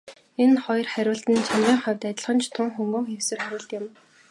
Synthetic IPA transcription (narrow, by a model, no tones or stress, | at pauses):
enχɔj̆rχæɾʲʊːɮt̪ɘ̆nt͡ɕʰamʁiːŋχœwʲt̪æt̪ʲɪ̆ɮχə̆nt͡ɕʰt̪ʰʊŋxɵŋɡɵ̆ːŋxewsɘ̆rχæɾʲʊːɮt̪ɪ̆m